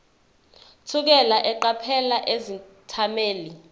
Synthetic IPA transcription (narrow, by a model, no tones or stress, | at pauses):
tʰuk̬ɛlaʔɛǃapʰɛlaʔezitʰameːli